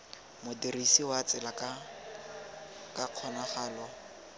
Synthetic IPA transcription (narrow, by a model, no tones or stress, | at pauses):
mʊdirisiwat͡sɪlaka | kaq͡χʰɔnaχaːlɔ